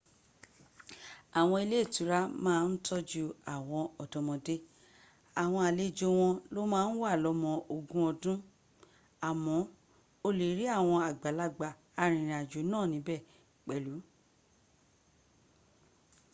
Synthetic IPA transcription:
a˨w̃ɔ̃˧i˧le˦˨tũ˨˦ɾa˦mãː˦˧n̩˦tɔ˦d͡ʒu˧a˨w̃ɔ̃˧ɔ˨dɔ̃˨mɔ̃˧de˦ | a˨w̃ɔ̃˧a˨le˦˨d͡ʒo˧w̃ɔ̃˧lo˦mãː˦n̩˦wa˦˨lɔ˧˦mɔ̃˧ʔo˨ɡũ˦ɔ˧dũ˦ | a˨mɔ̃˨˦ | o˧le˨˦ɾi˦a˦˨w̃ɔ̃˧a˨ɡ͡ba˨la˨˧ɡ͡ba˨ | a˧ɾ̃ĩ˨ɾ̃ĩ˨a˨d͡ʒo˨˦nãː˦˨nĩ˨˦bɛ˦˨ | k͡pɛ˨lu˨˦

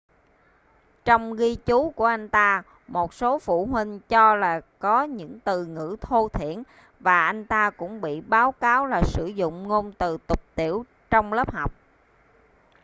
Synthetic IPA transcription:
t͡ɕɔ˧wŋ͡mɣi˧t͡ɕu˨˦ku˧˩əʔa˧jŋ̟t̪aː˧ | mo˨˩t̚so˨˦fṵ˧˩ɦwi˧ŋ̟t͡ɕɔ˧laː˨˩kɔ˨˦ɲɨ̰˧˥ŋt̪ɨ˨˩ŋɨ̰˧˥t̪ʰo˧t̪ʰḭ˧˨ən | vaː˨˩ʔa˧jŋ̟t̪aː˧kʊ̰˧˥ŋ͡mɓḭ˧˨ɓaː˨˦wkaː˨˦wlaː˨˩sɨ˧˩zʊ̰˧˨ŋ͡mŋo˧nt̪ɨ˨˩t̪ʊ˨˩k͡p̚t̪i˧˩əw | t͡ɕɔ˧wŋ͡mləː˦˥p̚ha˨˩wk͡p̚

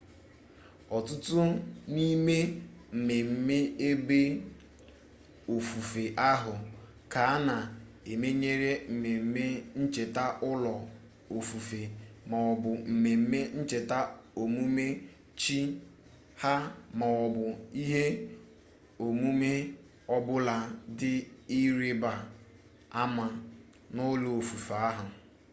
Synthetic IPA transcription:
ɔ˨tʊ˦tʊ˦ni˦me˦m̩˨me˨m̩˦me˦e˦be˦ | o˨fu˨fe˨ʔa˦ɦʊ˨ | ka˨˦na˨ | e˨me˦ɲe˦ɾe˦m̩˨me˨m̩˦me˦n̩˦t͡ʃe˨ta˦ʔʊ˦lɔ˨ | o˨fu˨fe˨ma˨ɔ˨bʊ˨m̩˨me˨m̩˦me˦n̩˦t͡ʃe˨ta˦o˨mu˦me˦ | t͡ʃi˦ | ha˦ma˨ɔ˨bʊ˨i˦ɦe˦ | o˨mu˦me˦ | ɔ˦bʊ˦la˨dɪ˦i˦ɾi˦ba˨ | a˦ma˨ | nʊ˦lʊ˨o˨fu˨fa˦ɦʊ˨

